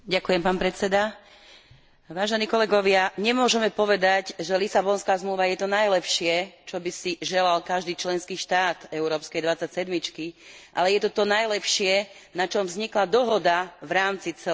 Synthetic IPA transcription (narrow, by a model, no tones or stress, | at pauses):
ɟakujɛmpaːnpɾɛtt͡sɛd̪a | ʋaːʒɛniːkɔlɛɡɔʋɪaɲɛmʊɔʒɛmɛpɔʋɛd̪aɟʒɛlisabɔnskaːzmluːʋajɛt̪ɔnajlɛpʃɪɛt͡ʃɔbisiʒɛlalkaʒd̪iːt͡ʃlɛnskiːʃt̪aːt̪ɛʊɾɔːpskɛjd̪ʋat͡sːacsɛd̪mit͡ʃkiʔa̰lɛjɛt̪ɔt̪ɔnajlɛpʃɪɛnat͡ʃɔmvzɲiklad̪ɔɦɔd̪aʋɾaːmt͡sit͡sɛ